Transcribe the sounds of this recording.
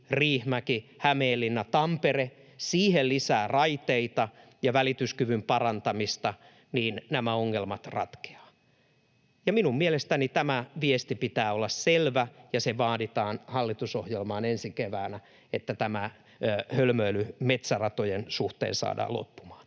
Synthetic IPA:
riːhmækihæmeːlːinːæt̪ɑmpere | siːhellisæːrɑit̪eit̪ɑ | jɑʋælit̪yskyʋympɑrɑnt̪ɑmist̪ɑ | niːnnæmæoŋːelmɑt̪rɑ̰t̪ke̥ɑ̥ː | jɑminummielest̪ænit̪æmæʋiest̪ipit̪æːolːɑsselʋæjɑseʋɑːdit̪ɑːnhɑlːit̪usohjelmɑːnensikeʋæːnæ | et̪ːæt̪æmæ | hølmøylymet̪særɑt̪ojensuht̪ḛːnsɑ̰ːdɑ̰ːlo̰pːu̥mɑ̥ːn

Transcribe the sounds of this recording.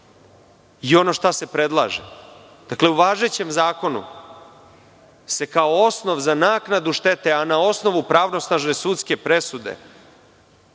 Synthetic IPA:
io̞no̞ːʃt̪ase̞pɾe̞d̪lˠa̰ːʒḛ | d̪̥akle̞uʋaːʒe̞t͡ɕe̞mzaːko̞nṵ | se̞kaoosno̞ʋzanaːknad̪uʃt̪e̞t̪e̞anao̞sno̞ʋupɾaːʋno̞snaʒne̞sut̪ske̞pɾe̞sud̪e̞̰

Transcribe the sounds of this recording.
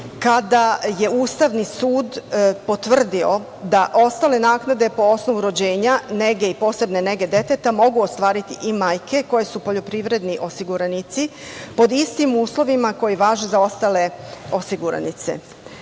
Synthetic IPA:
kad̪aje̞uːst̪aʋnisuːd̪po̞t̪ʋr̩d̪io̞ | d̪aʔo̞st̪ale̞naːknad̪e̞po̞o̞sno̞ʋuɾo̞d͡ʑe̞ːɲane̞ɡe̞ipo̞ːse̞bne̞ne̞ɡe̞d̪e̞t̪et̪amo̞ɡuost̪ʋaːɾit̪ḭʔimaːjkʰe̞ko̞je̞supo̞ʎo̞pɾiʋɾe̞d̪niʔo̞siɡuɾanit̪sipo̞d̪ist̪imuːslˠo̞ʋimako̞jiʋaːʒezao̞st̪ale̞o̞siɡuɾa̰nḭt̪se̞̰

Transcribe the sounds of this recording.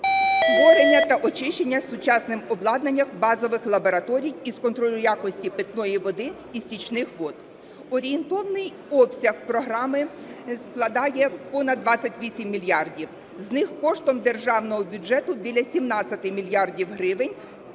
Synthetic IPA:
ʋɔɾenʲːɐt̪ɐʔɔt͡ʃɪʃt͡ʃenʲːɐsʊt͡ʃɑsnɪmɔblˠɑd̪nɐnʲːɐxbɑzɔʋɪxlˠɐbɔɾɐt̪ɔɾʲijiskɔnt̪ɾɔlʲʊjakɔsʲtʲipɪt̪nɔjiʋɔd̪ɪ | isʲit͡ʃnɪxʋɔd̪̚ | ɔɾʲient̪ɔʋɐnɪj | ɔpsʲɐxpɾɔɦɾɑmɪ | sklˠɐd̪ɑjɛpɔnɐd̪ːʋɑt͡sʲːɐtʲʋʲisʲimːʲilʲjɑrdʲiw | znɪxkɔʃt̪ɔmd̪e̞rʒɑwnɔɦɔbʲʊd͡ʒɛt̪ʊbʲilʲɐsʲimnɑt͡sʲɐt̪ɪmʲilʲjɑrdʲiwɦɾɪʋɪnʲ

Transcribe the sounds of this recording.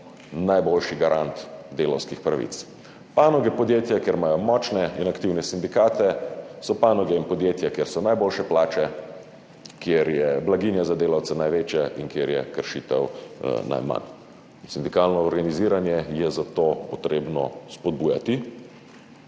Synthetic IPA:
najboːlʃiɡaɾʔant̪d̪eːlɐwskixpɾaʋḭt̪s | panɔɡɛpɔd̪jeːt̪jakjeːɾmaːjɔmɔt͡ʃnɛinakt̪iwnɛsind̪ikaːt̪ɛsɔpaːnɔɡɛinpɔd̪jeːt̪jakjeːɾsɔnajboːlʃɛplaːt͡ʃɛ | kjeɾjɛblaɡinjazad̪eːlawt̪sɛnajʋeːt͡ʃjɛinkjeɾjɛ̰kəɾʃiːt̪ɛ̰wna̰jma̰n | sind̪ikalnɔːɾɡaniziːɾanjɛjɛzat̪oːpɔt̪ɾeːbnɔ̰spɔd̪̚buːja̰t̪i

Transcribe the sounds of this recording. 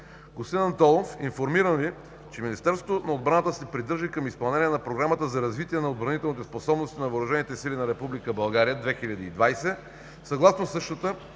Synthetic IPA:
ɡost̪inɐnt̪ɔlˠofinfoɾmiɾənvi | t͡ʃɛminʲist̪ɛɾsot̪onɐod̪bɾanət̪əsɛpɾid̪ɤɾʒikəmispɐlˠnɛniɛnɐpɾoɡɾamət̪əzɐɾɐzvit̪iɛnɐod̪̚bɾɐnit̪ɛlˠnit̪ɛsposɔbnost̪inɐvəoːɾʊʒɛnit̪ɛsilinɐɾɛpublikəbɐlˠɡaɾijəd̪vɛxilʲəd̪iid̪vajsɛ | sɐɡlˠasnosɤʃt̪ət̪ə

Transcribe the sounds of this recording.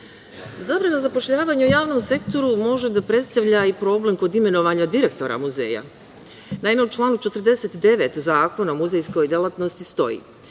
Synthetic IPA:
zabɾanazapo̞ʃʎaːʋaːɲaujaːʋno̞mse̞kt̪o̞ɾumo̞ʒed̪apɾe̞t̪st̪aʋʎaipɾo̞ble̞mko̞d̪ime̞no̞ʋaːɲad̪iɾe̞kt̪o̞ɾa̰muzḛːja̰ | naime̞ut͡ʃlˠaːnut͡ʃe̞t̪rd̪e̞set̪d̪e̞ʋet̪zaːko̞naomuzejsko̞jd̪elˠat̪nost̪ist̪o̞̰jḭː

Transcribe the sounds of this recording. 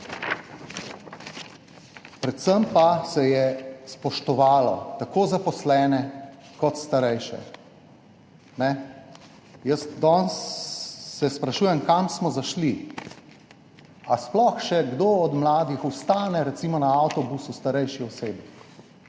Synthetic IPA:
pɾɛt̪səmpasɛjɛspɔʃt̪ɔʋaːlɔ̰t̪akoːzapɔslɛːnɛ | kɔt̪st̪aɾɛjʃɛ̰ | nɛ | jəsd̪ɔnsː | ɛspɾaʃuːjɛmkamsmɔzaʃli | asplɔxʃɛɡd̪oɔd̪mlaːd̪ixust̪aːnɛɾɛt̪simɔnaawt̪ɔbusust̪aɾɛjʃixɔseːbi

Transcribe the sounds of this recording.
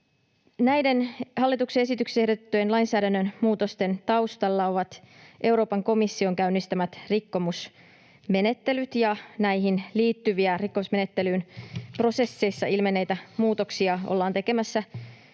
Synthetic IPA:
næjde̞nhɑlːit̪ukseesit̪ykseehdot̪ːøjnlɑjnsæːɾænːønmuːt̪o̞st̪e̞nt̪ɑwst̪ɑlːɑo̞ʋɑt̪ | ʔe̞wɾo̞ːpɑŋko̞misːio̞ŋkæynːist̪æmæt̪rikːo̞mus | me̞ne̞t̪ːe̞lyt̪jɑnæjɦinliːt̪ːyʋiærikːo̞musme̞ne̞t̪ːelyːnpro̞se̞sːe̞jsːɑʔilmenːejt̪æmuːt̪oksiɑo̰lːɑːnt̪e̞ke̞mæsːæ

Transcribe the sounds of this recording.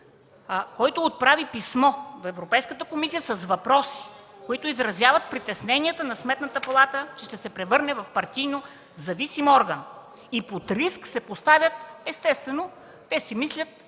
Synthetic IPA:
kɔjt̪oːt̪̚pɾavipismɔd̪oɛvɾopɛjskət̪əkomisijəsɐzvɐpɾɔsi̥ | koit̪ʊizɾɐzʲjavɐt̪̚pɾit̪ɛsnɛnijət̪ənɐsmɛt̪nət̪əpɐlˠat̪ət͡ʃɛʃt̪ɛsɛpɾɛvɤɾnɛvɐfpɐɾt̪ijno | zɐvisimɔɾɡɐn | ipot̪ɾisksɛpost̪avʲjət̪ɛst̪ɛst̪vɛno | t̪ɛsimislʲət̪̚

